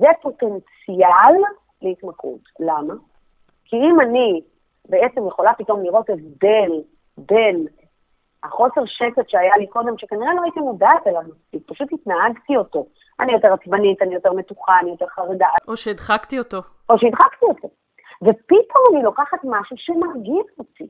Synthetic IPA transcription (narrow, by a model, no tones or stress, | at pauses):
zepo̞te̞nt͡sial | leitmakʰṵtlama | kʰiimani | be̞e̞t͡se̞mjeχo̞lapito̞mliʁo̞tezde̞l | be̞n | haχo̞se̞ʁʃe̞ketʃeajaliko̞d̪e̞mʃekaniʁelo̞hait̪imodatelava | ipaʃuthitnaaɡtio̞to̞ | a̰nijo̞te̞ʁat͡sbanitanijo̞te̞ʁme̞tuχaːnijo̞te̞ʁχaʁedaoʃeid̪χakt̪iot̪o | o̞ʃeid̪χaktio̞to̞ | ve̞pitʰomanilo̞kaχatmaʃuʃemaʁɡiʃoti